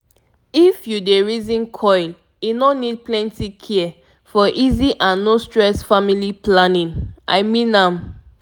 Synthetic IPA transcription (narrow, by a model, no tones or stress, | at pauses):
ifjudeɹizĩnkʰɔjl | jinonid̚plɛ̃ntikʰiɛ | fɔʔiziʔãnːostɹɛsfamiliplanĩnʔa̰ɪmĩnãm